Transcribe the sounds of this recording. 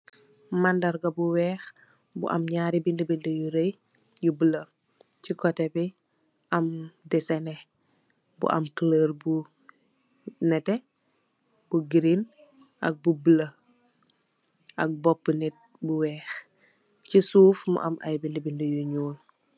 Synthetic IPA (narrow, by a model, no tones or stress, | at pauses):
mandɐɾɡɐbuwɛːx | bṵʔɐ̰mɲaːɾibindibindəjuɾej | jubələ | cikɔtɛbi | ʔɐmdɛsɛnɛ | bṵʔɐ̰mkələːɾbu | nɛtɛ | buɡiɾin | ʔɐ̰k̚bubələ | ʔɐk̚bɔpːənɛt̚ | buwɛːx | cisuːfmṵʔɐ̰mʔa̰jbindibindəjuɲuːl